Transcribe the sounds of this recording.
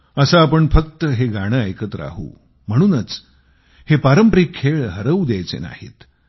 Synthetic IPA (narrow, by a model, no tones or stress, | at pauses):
əsaːpəɳfəkt̪əɦeɡaɽ̃əajkət̪ɾa̰ɦṵː | m̤əɽ̃uːnət͡s | hepaɾəmpɾikʰːeɭɦəɾəud̪jajt͡sḛna̰hḛt̪